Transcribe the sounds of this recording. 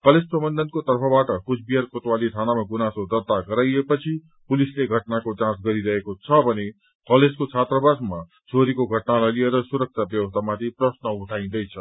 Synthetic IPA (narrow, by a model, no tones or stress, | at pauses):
kʌled͡zprʌbʌnd̪ʱʌnkot̪ʌrpʰʌbaʈʌkusbijarkot̪walit̪ʰanamaɡunasod̪ʌrt̪aɡʌɾajepʌt͡sʰi | pulisleɡʱʌʈnakod͡zãsɡʌɾiɾʌɦekot͡sʰʌbʱʌne | kʌled͡zkot͡sʰat̪rʌbasma | t͡sʰoɾikoɡʱʌʈnalajlieɾʌsuɾʌk̚t͡sʰabjʌwʌst̪ʰamat̪ʰiprʌsnʌuʈʰaĩd̪ʌjt͡sʰʌ